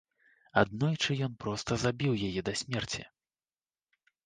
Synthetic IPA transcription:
ad̪nɔjt͡ʂɨjɔnpɾɔst̪ɐzabʲiwjajɛd̪ɐsʲmʲɛrt͡sʲḭ

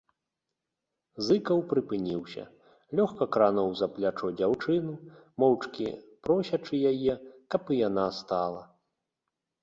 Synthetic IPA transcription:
zɨkɐwpɾɨpɨnʲiwsʲɐ̰ | lʲɔxkɐkɾanɔwzɐplʲat͡ʂɔd͡zʲawt͡ʂɨnu | mɔwt͡ʂkʲḭpɾɔsʲɐt͡ʂɨjajɛkɐpɨjanast̪alˠɐ

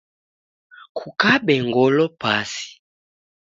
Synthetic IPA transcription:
kʰukabɛŋɡɔlɔpasi̥

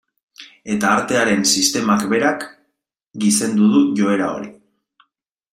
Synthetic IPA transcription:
e̞t̪aːɾt̪e̞aɾe̞nsist̪e̞makbe̞ɾak | ɡise̞nd̪uð̞uʝo̞e̞ɾa̰o̞̰ɾi

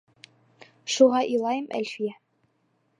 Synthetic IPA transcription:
ʃuʁɑʔilˠɑjɤmʔæ̰lʲfijæ

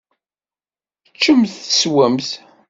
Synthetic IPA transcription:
t͡ʃːəmθəswæmθ

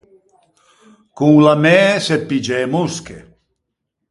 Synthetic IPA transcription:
kuŋlamesepid͡ʒemuskḛ

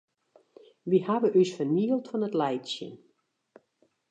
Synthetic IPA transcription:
ʋihaʋəʔysfərniəlˠtfɔnətlɛjtsjə̰n

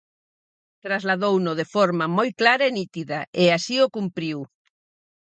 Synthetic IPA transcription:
t̪ɾazlaðownʊðefoɾmamojklaɾɐenit̪iðɐʔeasiokumpɾiw

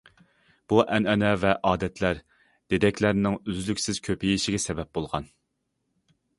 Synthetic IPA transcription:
b̥uʔɛnɛnɛvɛʔɑːd̪ɛt̪ʰlæɾ | d̪̥ed̪ɛkʲlæɾnɪŋyzlykʲsɪz̥kʲʰøpɪjiʃɪɡʲɛsɛbɛp̚bolˠʁɑn

